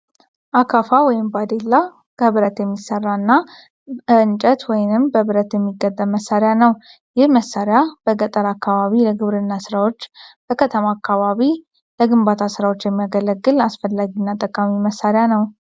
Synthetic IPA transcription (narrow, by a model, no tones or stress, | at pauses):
ʔakʰafawɔjɪmbad̪elːa | kʰəβɨɾət̪jɛmːisːərːanːa | ɨɨnt͡ʃʼət̪wɔjnɨmbəβɨɾət̪jɛmːiɡːət̪ːəməsːaɾɪjanəw | jɪhməsːaɾɪjab̥əɡət̪ʼəɾakʰːaβaβiləɡɨβɾɨnːasɨɾawo̞t͡ʃːb̥əkʰət̪ʰəmaːkʰːaβaβi | ləɡɨmbat̪ʰasɨɾawot͡ʃːjɛmːijaɡələɡːɨlasfəlːaɡinːat̪ʼəkʼamiməsːaɾɪjanəw